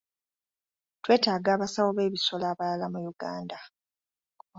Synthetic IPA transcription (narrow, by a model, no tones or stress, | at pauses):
twe̞ːtaːɡaːβasawoβe̞ːβiso̞laːβalalamujuɡaːnda